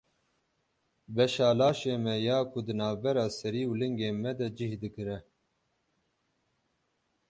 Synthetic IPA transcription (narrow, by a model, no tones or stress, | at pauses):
bɛʃaːlaːʃeːmɛjaːkʰʊd̪ɨnaːvbɛɾaːsɛɾiːulɨŋɡeːmɛd̪ɛd͡ʒihd̪ɨkɨɾɛ